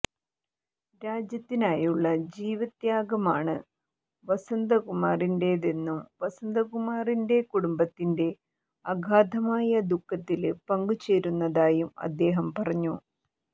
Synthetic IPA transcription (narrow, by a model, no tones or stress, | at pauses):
ɾaːd͡ʑjɐt̪ːinaːjuɭːɐd͡ʑiːʋɐt̪jaːɡɐmaːɳɨ | ʋɐsɐnd̪ɐkumaːrinde̞ːðe̞nːumʋɐsɐnd̪ɐkumaːrinde̞kuɽumbɐt̪ːinde̞ | ɐɡʱaːd̪ɐmaːjɐd̪ukːɐt̪ːilpɐŋɡut͡ɕe̞ːɾunːɐðaːjumɐ̰d̪ːe̞ːɦɐmpɐrɐɲːu